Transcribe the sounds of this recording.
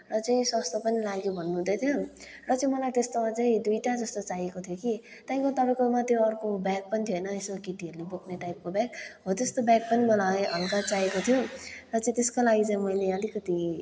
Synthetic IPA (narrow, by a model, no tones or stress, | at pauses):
rʌt͡saĩswʌst̪ʰopʌnilaɡjobʱʌnːuɦũd̪ʌjt̪ʰjo | rʌt͡saĩmʌlait̪est̪omat͡saĩd̪ujʈad͡zʌst̪ot͡sajekot̪ʰjoki | tt̪ãj̃kot̪ʌpaĩkomat̪joʌrkobjak̚pʌnit̪ʰjoɦʌjnʌesokiʈiɦʌɾulebukʰneʈajp̚kobjaɡɦot̪est̪obak̚pʌnimʌlajɦʌlkat͡sajekot̪ʰjorʌt͡sãĩt̪eskolaɡit͡saĩmʌjleʌlikʌt̪i